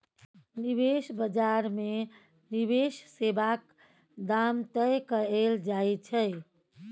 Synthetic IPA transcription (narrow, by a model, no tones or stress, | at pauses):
nibesbəd͡ʒaɾme | nibessebak | d̪amt̪əjkəeld͡ʒaet͡ʃʰəj